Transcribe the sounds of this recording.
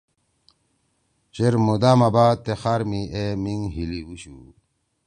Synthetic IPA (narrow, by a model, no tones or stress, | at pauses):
t͡ɕeɾmud̪aːmɐbaːt̪ːexaːɾmiemiŋɦiliuɕu